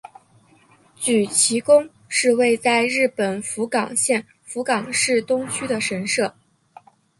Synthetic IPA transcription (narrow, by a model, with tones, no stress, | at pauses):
t͡ɕy˨˩t͡ɕʰi˧˥kʊ˥ŋ | ʂɻ̩˥˧we˥˧ɪt͡sa˥˧ɪɻɻ̩˥˩pə˨˩nfu˧˥kɑ˨˩ŋɕjɛ˥˩n | fu˧˥kɑ˨˩ŋʂɻ̩˥˩t̪ʊ˥ŋt͡ɕʰy˥d̪ə˨ʂə˧˥nʂɤ˥˩